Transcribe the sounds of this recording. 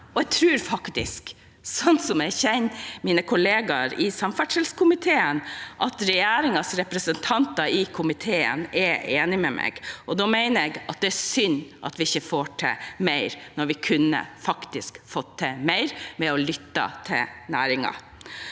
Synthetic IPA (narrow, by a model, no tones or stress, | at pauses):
ʔɔɛɡ̚t̪ʰɾʉːɾfɑkt̪ɪ̰sk | sɔnt̪sɔmæçɛɪnmiːnəkʰʊleːɡɑɾɪsɑmfæʈʂɛlskʰʊmɪt̪ʰeːənʔɑt̪ɾɛjæːɾɪŋɑsɾɛpɾəsənt̪ʰɑnt̪ɑɪkʰʊmɪt̪ʰeːə̰nɛeːnɪmɛmʔɛ̰ːɡʔɔd̪ɔmæɪnəɾɛɡɑt̪̚d̪ɛæsʏnʔɑ̰t̪ʋɪɪçːəfoːʈʰɛ̰mæɪɾnɔɾʋɪkʰʉnːə̰fɑkt̪ɪskfɔt̪ʰːəmæɪɾmɛɔlʏt̪ːɑ̰t̪ʰɪ̰lnæːɾɪŋɑ̰